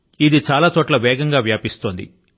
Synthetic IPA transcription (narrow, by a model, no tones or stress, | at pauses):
id̪it͡ʃaːlaːt͡ʃoːʈlɐʋɛːɡɐŋɡaːʋjaːpist̪oːnd̪ḭ